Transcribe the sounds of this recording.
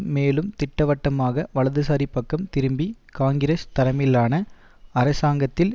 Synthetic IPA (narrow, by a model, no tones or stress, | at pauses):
meːlɯmt̪ɪʈːɐʋɐʈːɐmaːɣɐʋɐɭɐðɯsaːɾipːɐkːɐmt̪ɪɾɯmbikaːŋɡɪɾɐst̪ɐɾɐmɪlːaːnɐ | ɐɾɐsaːŋɡɐt̪ːɪl